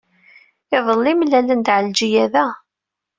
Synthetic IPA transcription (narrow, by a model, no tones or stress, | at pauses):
ɪðˤəlːimlːælənd̪ʕəld͡ʒijæðæ